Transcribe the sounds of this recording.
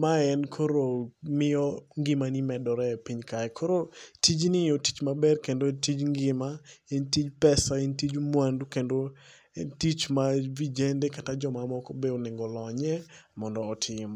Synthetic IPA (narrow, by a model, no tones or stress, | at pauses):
maɛnkʰoɾomɪɔŋɡɪmanimɛdɔɾɛpiɲkaɛkʰoɾotid͡ʒnɪjoti̥t͡ʃmabɛrkendotid͡ʒŋɡɪmaintid͡ʒpɛsaintid͡ʒmwandukendo | ɛntit͡ʃmavid͡ʒendɛkatad͡ʒɔmamɔkɔbeonɪŋɡɔlɔɲɛmɔndɔːtʰɪmɔ